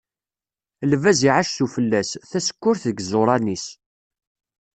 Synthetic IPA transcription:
lvæziʕaʃθufəlːæsθæsə̥kːʊɾθðəɡzoɾˤɑnis

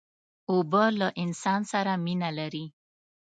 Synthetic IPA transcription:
obalaʔɪnsɑnsaɾaminalaɾi

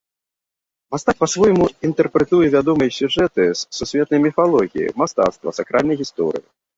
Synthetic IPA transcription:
mast̪ak̚pasvɔjmuint̪ɛrpɾɛt̪ujɛvʲad̪ɔmɐjsʲuʐɛt̪ɨsːusʲvʲɛt̪nɐjmʲifalˠɔɣʲijḭmast̪a̰t̪st̪vɐ̰sakɾalʲnɐjɣʲist̪ɔ̰ɾɨ̰ji

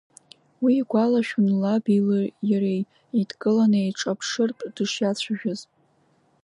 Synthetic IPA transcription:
wiːɡʷalaʃᶣunlabilɨjaɾej | idɡʼɨlanɨeʈ͡ʂʼapʰʂɨrtʼd̥ɨʂjat͡ɕʷʰaʒᶣʊz

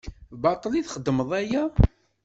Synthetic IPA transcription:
bɑt̪ˤliθχəd̪ːməðˤæjæ

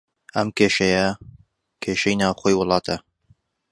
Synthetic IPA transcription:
ɐmkʰeːʃɐjɐ | kʰeːʃɐjnaːwχoːjwʊlˠɑːt̪ʰɐ

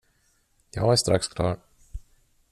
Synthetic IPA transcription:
jɑːɡæʂt̪ɾakskʰlɑːɾ

